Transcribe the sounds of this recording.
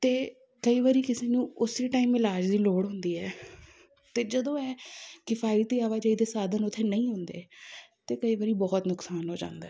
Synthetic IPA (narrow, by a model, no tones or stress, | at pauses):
t̪eː | kəiːʋaːɾiːkɪseːnũːʊsɾiːʈaːiːmɪlaːd͡ʒd̪iːloːɽɦʊnd̪iːɛː | t̪eːd͡ʒəd̪õːɛːkɪpʰaːilt̪iːaːʋaːd͡ʒəːiːd̪eːsaːd̪ənʊt̪ʰːeːnəĩːɦʊ̃nd̪ḛːt̪eːkəiːʋəːɾiːbɔːt̪nʊksaːnɦoːd͡ʒã̰ːnd̪aɛː